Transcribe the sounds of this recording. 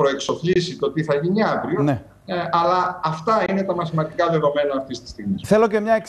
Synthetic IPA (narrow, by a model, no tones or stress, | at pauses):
pɾo̞e̞kso̞pʎisit̪ot̪iθɐʝiniɐvɾione | ʔɐlɐːft̪ɐine̞t̪ɐmɐθimɐnd̪ikɐðe̞ðo̞me̞nɐːft̪ist̪i̥st̪iɣmisθe̞lo̞ce̞mɲɐek